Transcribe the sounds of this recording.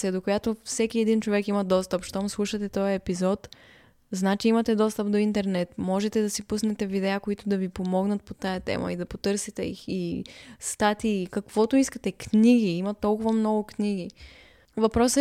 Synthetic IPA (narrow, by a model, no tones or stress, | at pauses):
siəd̪okojat̪ofsɛk̟iɛd̪int͡ʃovɛkimɐd̪ɔst̪əpʃt̪ɔmslˠuʃət̪ɛt̪ɔjɐɛpizɔt̪ | znat͡ʃiimɐt̪ɛd̪ɔst̪əp̚d̪oint̪ɛɾnɛt̪mɔʒɛt̪ɛd̪ɐsipusnɛt̪ɛvid̪ɛakoit̪ʊd̪ɐvipomɔɡnət̪̚pot̪ajɐt̪ɛ̰mɐ̰id̪ɐpot̪ɤɾsit̪ɛḭxist̪at̪iːkɐkv̥ɔt̪oiskət̪ɛkniɡiimɐt̪ɔlˠkʊvɐmnɔɡʊkniɡ̟i | vɐpɾɔs